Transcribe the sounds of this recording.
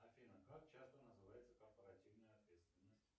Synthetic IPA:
afʲinəkakt͡ɕast̪ənəzɨvajɪt̪səkorpəɾatʲivnəjəɐt̪vʲet̪st̪ʲvʲɪnːəsʲtʲ

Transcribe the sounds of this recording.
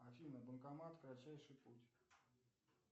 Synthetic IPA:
ɐfʲinəbənkɐmat̪kɾat͡ɕːæjʂɨjputʲ

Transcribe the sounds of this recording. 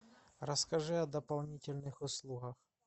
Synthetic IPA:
ɾɐskɐʒɪɐd̪ɐpɐlˠnʲitʲɪlʲnɪxʊslˠuɦɐx

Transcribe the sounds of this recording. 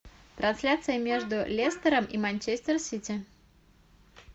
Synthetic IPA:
t̪ɾɐnsʲlʲat̪sɨjɪmʲe̞ʐd̪ʊlʲest̪əɾəmimɐnʲt͡ɕesʲt̪ʲɪrsʲitʲɪ

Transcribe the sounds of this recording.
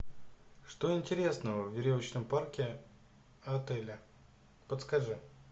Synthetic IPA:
ʂt̪oɪnʲtʲɪɾʲe̞snəvəvvʲɪɾʲovət͡ɕnəmparkʲɪ | ɐt̪ɛlʲɪ | pət̪skaʐɨ

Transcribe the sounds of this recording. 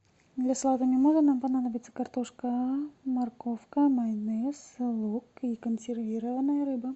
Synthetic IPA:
d̪lʲaslˠat̪əmʲɪmoʐɨt̪nampɐnad̪əbʲɪt̪sə̥kɐrt̪oʂkəmɐrkofkəmɐjnɨjəsɨlˠukikənsʲɪrvʲiɾəvənːəjəɾɨbə

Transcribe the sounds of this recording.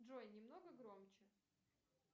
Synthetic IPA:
ʐojnʲɪmnoɡəɡɾomt͡ɕɪ

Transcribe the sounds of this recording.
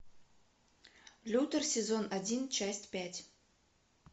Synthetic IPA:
lʲut̪ərsʲezonadʲint͡ʃasʲtʲpʲætʲ

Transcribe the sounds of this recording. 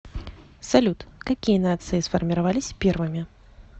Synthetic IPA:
sɐlʲut̪kɐkʲijənat̪sɨɪsfɐrmʲɪɾavalʲɪsʲpʲervɨmʲɪ

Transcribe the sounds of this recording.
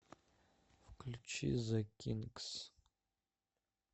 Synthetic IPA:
fqʰəɮt͡ʃʰḭzɐkʲʰinkʼs

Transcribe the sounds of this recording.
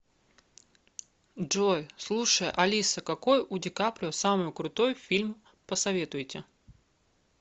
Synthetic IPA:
ʐojslˠuʂəjəʔɐlʲisəkɐkojʔʊdʲɪkapɾʲɪosamɨjʊkɾʊt̪o̞jfʲilʲm | pəsɐvʲe̞t̪ʊjtʲɪ

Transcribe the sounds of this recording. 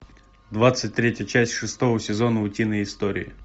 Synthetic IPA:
d̪ʋat̪sətʲt̪ɾʲetʲjət͡ʃæsʲtʲʂɨst̪ɔvəsʲɪzɔnəʊtʲinəjɪst̪ɔɾʲɪ̰ɪ̰

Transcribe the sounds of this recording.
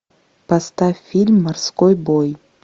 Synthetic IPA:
past̪afʲilʲmːarskojboj

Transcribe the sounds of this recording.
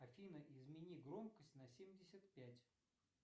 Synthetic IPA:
ɐfʲinəʔɪzmʲɪnʲiɡɾomkəsʲtʲnɐsʲemʲdʲɪsʲət̪pʲætʲ

